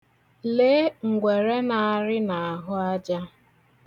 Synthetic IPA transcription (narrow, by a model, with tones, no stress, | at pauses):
le˦ŋ̩˨ɡʷe˨ɾe˦na˨a˨ɾɪ˦na˨a˨ɦʊ˦a˦d͡ʒa˦